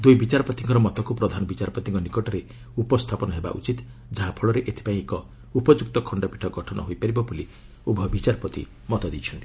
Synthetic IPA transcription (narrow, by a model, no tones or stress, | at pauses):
d̪ujbit͡ʃaɾɔpɔt̪iŋkɔɾɔmɔt̪ɔkupɾɔd̪ʱanɔbit͡ʃaɾɔpɔt̪iŋkɔnikɔʈɔɾe | upɔst̪ʰapɔnɔɦeba̰ʔṵt͡ʃit̪ | d͡ʒaɦapʰɔɭɔɾeʔet̪ʰi̥paĩekɔ | upɔd͡ʒuk̚t̪ɔkʰɔɳɖɔpiʈʰɔɡɔʈʰɔnʔɔ̰ɦojpaɾibɔbuli | ubʱɔbit͡ʃaɾpɔt̪ḭ | mɔt̪ɔd̪it͡ʃʰɔnt̪i̥